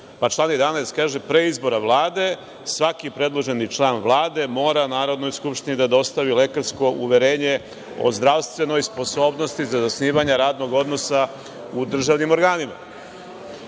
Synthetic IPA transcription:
pat͡ʃlaːnjed̪anajst̪̚kaːʒepɾeizbo̞ɾaʋlˠaːd̪e̞ | sʋakipɾe̞d̪lˠo̞ʒe̞nit͡ʃlˠaːnʋlˠaːd̪e̞mo̞ːɾanaːɾo̞d̪no̞jskupʃt̪inid̪ad̪o̞st̪aʋile̞kaɾsko̞ʔuʋeɾe̞ːɲe̞ | o̰zd̪ɾaʋst̪ʋe̞no̞jspo̞so̞ːbno̞st̪izazasniːʋaɲeɾaːd̪no̞ɡo̞d̪no̞sa | ud̪r̩ʒaːʋnimo̞ɾɡaːnima̰

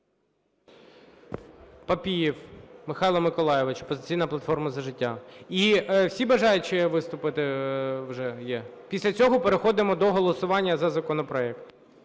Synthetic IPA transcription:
pɐpʲijiwmɪxɑjlˠɐmɪkɔlˠɑjɪʋɪt͡ʃɐ̥pɔzɪt͡sʲijnɐplˠɐt̪fɔrmɐzɐʒɪtʲːaiwsʲibɐʒɑjʊt͡ʃɪʋɪst̪ʊpɪt̪ɪwʒɛjɛ | pʲisʲlʲɐt͡sʲɔɦɔpeɾexɔd̪ɪmɔd̪ɔɦɔlˠɔsʊʋɑnʲːɐzɐzɐkɔnɔpɾɔɛkt̪

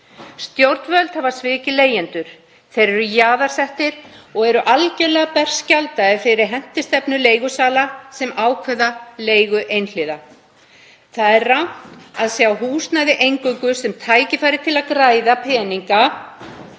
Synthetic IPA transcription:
st̪jowɾt̪nvœlt̪havaɾ̥svɪːcɪleːjɛnt̪ʏɾ̥ | θejɾɛɾʏjaːðaɾ̥sɛht̪ɪɾ̥ɔɣɛɾʏʔalcɛlɛːɣapɛr̥scalt̪aɪfɪɾɪɾɦɛn̥t̪ɪst̪ɛpnʏleːjɣʏsaːlasɛmaːwkʰvɛðaleːjɣʏʔejnl̥ɪːða | θaðɛɾːawn̥t̪aðsjawɦuːst̪naðɪʔejŋkʏŋkʏsɛmt̪ʰaːjcɪfaːjɾɪɾ̥t̪ʰɪlaðkɾaːjðapʰɛːniŋka

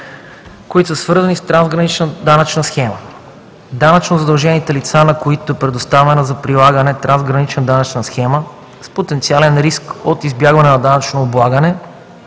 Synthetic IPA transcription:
koit̪osəsvɤɾzɐnist̪ɾanzɡɾɐnit͡ʃnəd̪anɐt͡ʃnəsxɛmə | d̪anɐt͡ʃnozɐd̪ɐlˠʒɛnit̪ɛlit̪sanɐkoit̪oɛpɾɛd̪ost̪avɛnəzɐpɾilˠaɡənɛt̪ɾanzɡɾɐnit͡ʃnɐd̪anɐt͡ʃnɐsxɛmə | spot̪ɛnt̪sialɛnɾiskot̪izbjaɡvɐnɛnɐd̪anɐt͡ʃnoːblˠaɡənɛ

